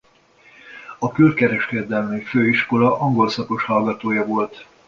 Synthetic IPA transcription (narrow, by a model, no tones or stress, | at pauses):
ɒkylkɛɾɛʃkɛd̪ɛlmyføːiʃko̞lɒʔɒŋɡo̞lsɒko̞ʃhɒlɡɒt̪oːjɒvo̞lt̪